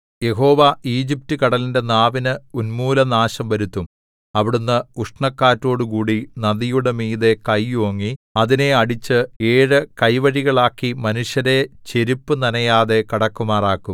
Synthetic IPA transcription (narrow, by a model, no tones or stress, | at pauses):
je̞ɦo̞ːʋaiːd͡ʑip̚tukɐɽɐlinde̞naːʋinɨunmuːlɐnaːɕɐmʋɐɾut̪ːum | ɐʋiɽunːɐuʂɳɐkːaːtːo̞ːɽukuːɽinɐðijuɽemiːðe̞kɐjoːŋːiɐðine̞ɐɽit͡ɕːɨeːɻɨkɐjʋɐɻiɣɐɭaːkːimɐnuʂjɐɾe̞t͡ɕe̞ɾipːɨnɐnɐjaːðe̞kɐɽɐkːumaːraːkːum